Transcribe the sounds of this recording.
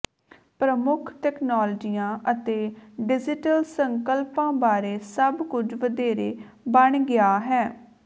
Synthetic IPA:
pɾəmʊkʰʈɛːknaːld͡ʒiːãːʔət̪eːɖɪd͡ʒɪʈəlsəŋkəlpãːbaːɾeːsəbkʊd͡ʒʋəd̪eːɾeː | bəɳɡɪaːɦɛː

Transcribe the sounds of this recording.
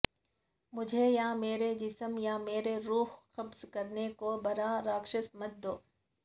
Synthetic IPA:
mʊd͡ʒʱejãmeːɾed͡ʒɪsəmjameːɾeɾuːɦxɐbzkɐɾnekobɐɾaɾaːkʃəsmɐt̪̚d̪oː

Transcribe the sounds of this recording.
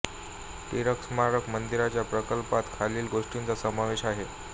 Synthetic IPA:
t̪iɾəksmaɾəkmənd̪iɾat͡ɕjapɾəkəlpat̪kʰaliːlɡoʂʈint͡sasəmaʋeɕaɦe

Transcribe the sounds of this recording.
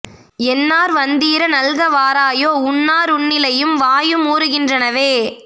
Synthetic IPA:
ɛnːaːɾʋɐnd̪iːɾɐnɐlɣɐʋaːɾaːjoːʊnːaːɾʊnːɪlɐjɯmʋaːjɯmuːɾɯɣɪndrɐnɐʋeː

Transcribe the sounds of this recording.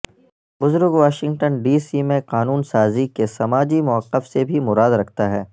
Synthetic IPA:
bʊzʊɾɡʋaːʃɪ̃ŋɡʈənɖiːsimẽqaːnuːnsaːzikesɐmaːd͡ʒimʊɐqːəfsebʱimʊɾaːd̪ɾɐkʰt̪aɦɛː

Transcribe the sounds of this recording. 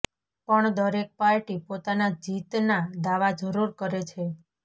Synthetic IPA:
pəɳd̪əɾek̚paɾʈipot̪anad͡ʒit̪nad̪aʋad͡ʒəɾuɾkəɾet͡ʃʰe

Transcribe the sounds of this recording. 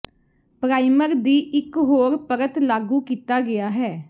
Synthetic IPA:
pɾaːɪməɾd̪iːʔɪkɦoːɾpəɾət̪laːɡuːkiːt̪aːɡɪaːɦɛː

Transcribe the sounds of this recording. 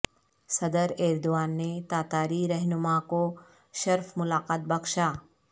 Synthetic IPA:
sɐd̪əɾeːɾd̪ʊʋaːnːet̪aːt̪aːɾiɾɛɦnʊmako | ʃɐɾfmʊlaːqaːt̪̚bɐkʃaː

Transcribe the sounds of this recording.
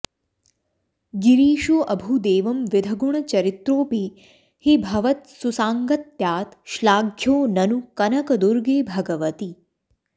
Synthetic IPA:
ɡiɾiːʃuʔɐbʱud̪eːʋɐmʋɪd̪ʱɐɡuɳ̃ɐt͡ʃɐɾit̪ɾoːpi | hibʱɐʋɐt̪̚susaːŋɡɐt̪jaːt̪ʃlaːɡʱjoːnɐnukɐnɐkɐd̪uɾɡeːbʱɐɡɐʋɐt̪i

